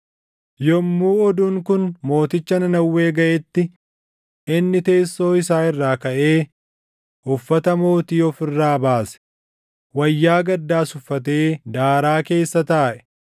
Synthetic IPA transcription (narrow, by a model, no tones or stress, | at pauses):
jɔmːuːɔd̪uŋkʊnmo̞ːt̪ɪt͡ʃːɐnɐnɐwːe̞ːɡɐʔɛt̪ːɪ | ɪnːɪt̪e̞ːsːo̞ːɪsaːɪrːaːkɐʔe̞ː | ʔʊfːɐt̪ɐmo̞ːt̪iːɔfɪrːaːbaːsɛ̥ | wɐjːaːɡɐd̪ːaːsʊfːɐt̪̬e̞ːd̪aːɾaːke̞ːsːɐt̪aːʔɛ̥